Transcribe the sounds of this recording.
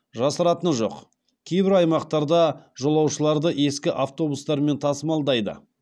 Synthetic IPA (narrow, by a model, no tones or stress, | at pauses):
ʒɑsəɾɑt̪ənʒo̞̰q | kʲʰe̞jbɪɾɑjmɑqt̪ɑɾd̪ɑʒo̞lˠɑwʃəlˠɑɾd̪əʔe̞skʲɪʔaft̪o̞bust̪ɑɾme̞nt̪ʰɑsəmɑlˠd̪ɑjd̪ə̰